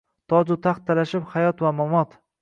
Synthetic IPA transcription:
t̪ʰɒd͡ʒʊt̪ʰaχt̪ʰːalaʃɪphajɒt̪vamamɒt̪

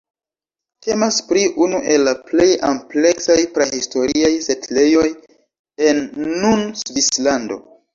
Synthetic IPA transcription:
tʰe̞maspɾiʔunuʔe̞lːaple̞jample̞ksajpɾehisto̞ɾiajsetle̞jo̞j | enːunsvislando̞̰

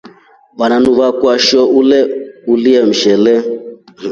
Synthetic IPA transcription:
βananuβakwaʃɔulɛuliɛm̩ʃɛlɛ

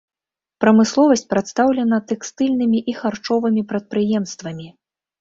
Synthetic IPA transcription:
pɾɐmɨslˠɔvɐsʲt͡sʲpɾat̪st̪awlʲɛnɐt̪ɛkst̪ɨlʲnɨmʲiʔixart͡ʂɔvɨmʲipɾɐt̪̚pɾɨjɛmst̪vɐmʲi

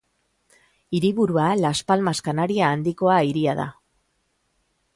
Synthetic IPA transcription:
iɾiβuɾualaspalmaskanaɾiaːnd̪iko̞aiɾiaða̰

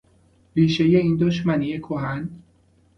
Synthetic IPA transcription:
viːʃejeiːnd̪ɒːʃ̬mæniːekʰoɦæn

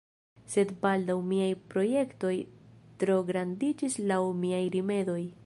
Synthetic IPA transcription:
se̞dbaldawmiajpɾo̞je̞kto̞jtɾo̞ɡɾandid͡ʒislawmiajɾime̞do̞j

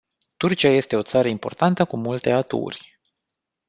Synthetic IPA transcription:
t̪urt͡ʃiaje̞st̪e̞o̞t̪saɾəimpo̞̰rt̪ant̪əkumult̪e̞at̪ṵrʲ

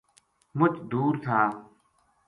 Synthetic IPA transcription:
mʊt͡ʃd̪uːɾt̪ʰaː

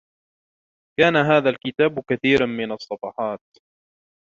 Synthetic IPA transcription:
kaːnaɦaːðalkɪt̪aːbkaθiːɾanmɪnɑsˤːɑfɑħɑːt̪̚

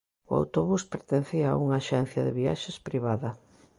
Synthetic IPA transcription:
ʊa̰wt̪oβuspeɾt̪en̟θiɐa̰uŋɐaʃɛn̟θjɐðɪβia̰ʃespɾiβaðɐ

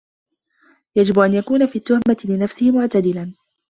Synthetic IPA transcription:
jad͡ʒɪbʔanjakuːnafiːt̪ːʊhmat̪ɪlɪnafsɪhɪmʊʕt̪ad̪ɪlan

